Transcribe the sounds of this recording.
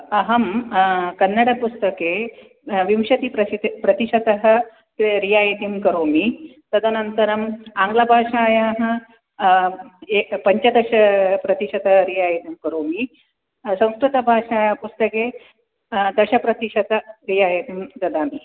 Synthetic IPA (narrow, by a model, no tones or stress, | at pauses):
ɐɦɐmkɐnːɐɽɐpust̪ɐkeː | ʋimʃɐt̪ipɾɐpɾɐt̪iʃɐt̪ɐɦɐ̆ | ɾijaːjɐt̪imkɐɾoːmi | t̪ɐd̪ʱɐnɐnt̪ɐɾɐmaːŋɡlɐbʱaːʃaːjaːɦɐ̆ | pɐɲt͡ʃɐd̪ɐʃɐpɾɐt̪iʂɐt̪ɐɦɐɾijaːjɐt̪imkɐɾoːmi | sɐ̃w̃skɾut̪ɐbʱaːʂaːjaːɐpust̪ɐkeː | d̪ɐʃɐpɾɐt̪iʃɐt̪ɐɾijaːjɐimd̪ɐd̪aːmi